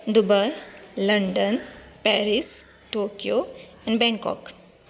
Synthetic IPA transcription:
d̪ʊbəlɐɳɖən | pɛːɾis | ʈoːkijo | ɛ̃nbɛ̃ŋkɔ̰k

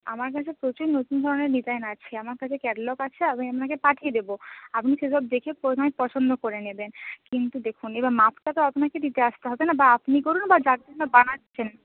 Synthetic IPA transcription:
a̰maɾk̬at͡ɕʰepɾot͡ɕuɾnot̪und̪ʱɔɾoneɾnit̪aenat͡ɕʰeamaɾkat͡ɕʰekɛɖlokat͡ɕʰeabapnakepaʈʰied̪eboapniʃeʃɔb̚d̪ekʰepoaepɔt͡ɕʰond̪ʱokoɾenebenkint̪ud̪ekʰunebamapʰʈat̪oapnaked̪it̪eaʃt̪eɦɔbenabaapnikoɾunbad͡ʑat̪̚onabanat͡ɕʰen

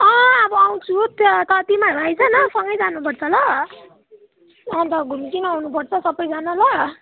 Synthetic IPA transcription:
ʌʌbʌaw̃t͡sʰut̪k̪ʌt̪imaɾajt͡sʰʌnʌsʌŋɡʌjd͡zanupʌrt͡sʰʌlʌ | ʌ̃t̪ʌɡʱumkinʌawnupʌrt͡sʰʌsʌbʌjd͡zanalʌ

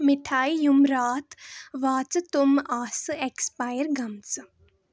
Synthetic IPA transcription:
miʈʰaːjjumɾaːt̪ʰʋaːt͡sɨt̪umaːsɨekspaːjəɾɡɐmt͡sɨ

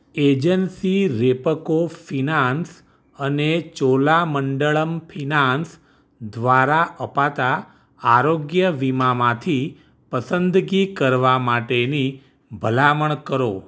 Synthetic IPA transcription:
ed͡ʒənsiɾepəkofinans | ənet͡ʃolaməɳɖəɭəmpʰinans | d̪ʋaɾaʔəpat̪aː | ɾoɡjəʋimamãt̪ʰi | pəsənd̪ɡikəɾʋamaʈeni | bʱəlaməɳkəɾo

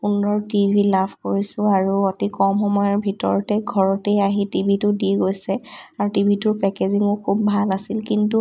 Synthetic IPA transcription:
undɔɹtibʱilapʰkoɹisʊ̃aɹuotikɔmxɔmɔjɔɹbʱitɔ̰ɹɔtɛɡʱɔɹɔtejaɦitibʱitʊdiɡojsɛaɹutibʱitʊɹpɛkeziŋʊkʰːubːʱalasilkintu

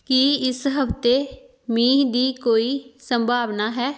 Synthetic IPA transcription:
kiːɪsɦəpʰt̪eː | miːd̪iːkoːiːsəmbʱaːʋnaːɦɛː

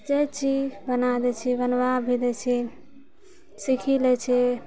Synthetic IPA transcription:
d͡ʒet͡ʃid͡ʒbənad̪ɛt͡ʃʰɛbənbabʱid̪ɛt͡ʃʰɛ | sikʰilɛt͡ʃʰɛ

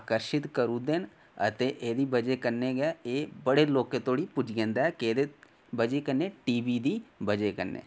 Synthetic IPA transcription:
aːkəɾʃɪt̪kəɾud̪eːn | ət̪eʔeːd̪iːbəd͡ʒekəɾneɡaeːbəɽeloːkːet̪ʰoːɽipʊd͡ʒɡẽːnd̪aɛkeːd̪e | bəd͡ʒeːkəɾneʈiːbiːd̪iːbəd͡ʒekəɾnḛː

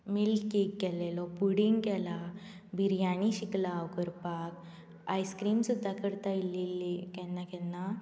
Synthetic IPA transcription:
milkekːɛlɛlɔpuɽiŋɡkɛla | bʱiɾjaɽ̃iɕiklaːwkəɾpak | ajskɾiːmsud̪ʱːakəɾt̪aililːikɛnːakɛnːa

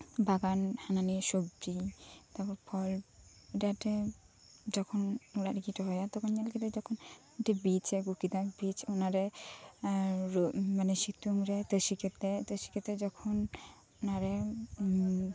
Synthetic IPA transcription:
baɡanhananiʃobɾit̪aɾpɔɾpʰɔl | eʈaʈe | d͡ʑɔkʰonolaɾɡiʈaɦɔjat̪ɔkʰonɲalkit̪ed͡ʒɔkʰon | eʈabit͡ɕeɡukid̪abit͡ɕonaɾe | ɾmaneʃit̪ːuŋɾet̪əʃiket̪et̪əʃi̥ket̪ed͡ʒɔkʰon | onaɾe

